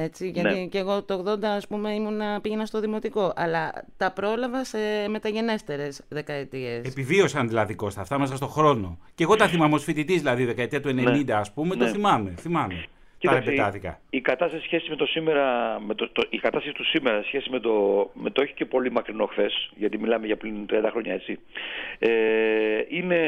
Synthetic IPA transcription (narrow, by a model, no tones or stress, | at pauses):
e̞t͡siʝɐt̪iceɣo̞t̪ooɣðo̞nd̪ɐːspume̞imunɐpiʝe̞nɐst̪o̞ðimo̞t̪iko̞ʔɐlɐt̪ɐpɾo̞lɐvɐse̞me̞t̪ɐʝe̞ne̞st̪e̞ɾe̞sðe̞kɐet̪ie̞se̞pivio̞sɐnðilɐðiko̞st̪ɐft̪ɐmes̬ɐst̪o̞xɾo̞no̞ceɣo̞t̪ɐθimɐmosfit̪it̪izðilɐðioðekɐet̪iɐt̪ue̞nenind̪ɐːspume̞noθimɐme̞θimɐme | iɐɾespet̪ɐθikɐ̰ikɐt̪ɐst̪ɐsi̥sçe̞simet̪o̞simeɾɐmet̪ot̪ikɐt̪ɐst̪ɐsi̥t̪usimeɾɐsçe̞sizmet̪o̞met̪ooçi̥ce̞po̞limɐkɾino̞xθe̞sʝɐt̪imilɐmeʝɐpɾint̪ɾiɐnd̪ɐxɾo̞ɲɐet͡si | e | ine̞